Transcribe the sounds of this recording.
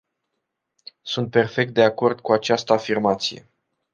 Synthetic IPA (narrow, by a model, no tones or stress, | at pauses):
sunt̪̚pe̞rfe̞k̚t̪̚d̪e̞ako̞rd̪kuat͡ʃast̪əafirmat̪sije̞̰